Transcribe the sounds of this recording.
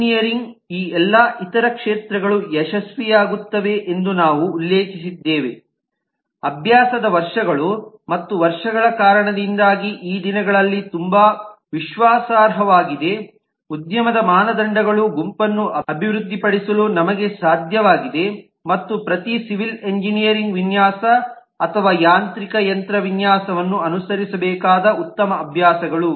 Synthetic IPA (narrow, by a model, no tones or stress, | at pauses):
nijɐɾiŋɡiːɛlːɐʔit̪ɐɾɐkʂeːt̪ɾɐɡɐɭujɛʃɐsʋijaːɡut̪ːɐʋe̞ʔend̪unaːʋuːlːeːkisid̪ːeːʋḛ | ɐbʱjaːsɐd̪ɐʋɐɾʂɐɡɐɭu | mɐt̪ːuʋɐɾʂɐɡɐɭɐkaːɾɐɳɐd̪ind̪aːɡiʔiːd̪inɐɡɐɭɐlːit̪umbaːʋiʃʋaːsaːɾɦɐʋaːɡid̪e̞ | ud̪jɐmɐd̪ɐmaːnɐd̪ɐɳɖɐɡɐɭuɡumpɐnːuɐɐbʱiʋɾud̪ʱːipɐɽisɐlunɐmɐɡe̞saːd̪ʱjɐʋaːɡid̪e̞ | mɐt̪ːupɾɐt̪isiʋileɲd͡ʒinijɐɾiŋɡʋinjaːsɐː | t̪ʰɐʋaːjaːnt̪ɾikɐjɐnt̪ɾɐʋinjaːsɐʋɐnːuɐnusɐɾisɐbɛːkaːd̪ɐut̪ːɐmɐːbʱjaːsɐɡɐɭu